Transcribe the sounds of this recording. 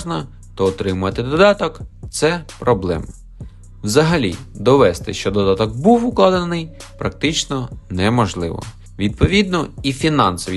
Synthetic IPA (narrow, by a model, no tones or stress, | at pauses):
ʒnɐ | t̪ɔːt̪ɾɪmʊɐt̪ɪd̪ɔd̪ɑt̪ɔkt̪sɛpɾɔblˠɛ̰m | wzɐɦɐlʲḭd̪ɔʋɛst̪ɪʃt͡ʃɔd̪ɔd̪ɑt̪ɔkbuwʊklˠɑd̪ɐnɪjpɾɐk̚t̪ɪt͡ʃnɔnɛmɔʒlˠɪʋɔ̰ | ʋʲid̪̚pɔʋʲid̪nɔifʲinɑnsɔʋʲi